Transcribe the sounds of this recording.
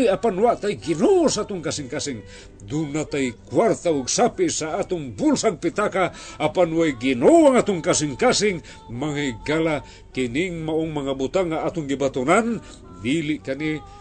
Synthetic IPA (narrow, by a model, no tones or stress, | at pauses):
japanwaʔt̪ajɡinosaat̪ʊŋkasɪŋkasɪŋ | d̪unat̪ajkwart̪aʊɡsapisaat̪ʊŋbulsaɡ̚pit̪akaʔapanwajɡinowaŋat̪ʊŋkasɪŋkasɪŋ | maŋiɡala | kiniŋmaoŋmaŋabut̪aŋaat̪ʊŋɡibat̪unan | d̪iliʔkani